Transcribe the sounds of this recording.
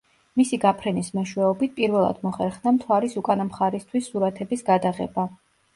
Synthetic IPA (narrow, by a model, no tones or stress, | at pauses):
misiɡapʰɾɛnismɛʃwɛɔbit̪̚ʰpʼiɾvɛlˠa̰d̪mɔχɛɾχnamt̪ʰwaɾisukʼanamχaɾist̪ʰwisːuɾat̪ʰɛbisɡad̪aʁɛ̰ba